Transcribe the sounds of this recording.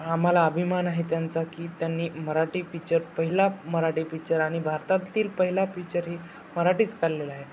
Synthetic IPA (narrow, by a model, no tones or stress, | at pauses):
am̤alaəbʱimanaɦet̪jant͡sakiːt̪janːiːməɾaʈiːfit͡ɕəɾpəɦilaməɾaʈiːfit͡ɕəɾaɽ̃ibʱaɾt̪at̪ːiːlpəɦilafit͡ɕəɾɦi | məɾaʈiːt͡skaɾlelaɦe